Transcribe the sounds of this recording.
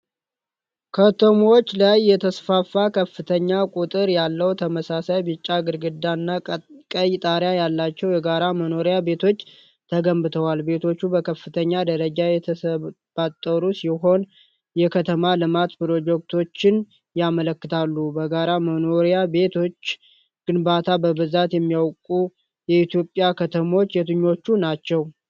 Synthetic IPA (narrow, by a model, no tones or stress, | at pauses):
kʰət̪ʰəmot͡ʃːlajːɛt̪ʰəsfafːakʰəfːɨt̪ʰəɲːakʼut̪ʼɨɾjalːəwt̪ʰəməsasajbɨt͡ʃʼːaɡɨɾɡɨd̪anːakʼəjt̪ʼaɾjajalːat͡ʃːɛwjɛɡaɾaməno̞ɾjabe̞t̪ʰo̞t͡ʃː | t̪ʰəɡəmbɨt̪ʰəwalbe̞t̪ʰo̞t͡ʃːubəkʰəfːɨt̪ʰəɲːad̪əɾəd͡ʒajɛt̪ʰəsə | b̥at̪ʼːəɾusiɦo̞n | jɛkʰət̪ʰəmalɨmat̪pɾo̞d͡ʒɛk̚t̪ʰo̞t͡ʃːɪn | jamələkːɨt̪ʰalːubəɡaɾaməno̞ɾjabe̞t̪ʰo̞t͡ʃː | ɡ̥ɨnbat̪ʰabəbɨzat̪jɛmːijawkʼu | jɛit̪jo̞pʼjakʰət̪ʰəmo̞t͡ʃːjɛt̪ɨɲːo̞t͡ʃːunat͡ʃːɛw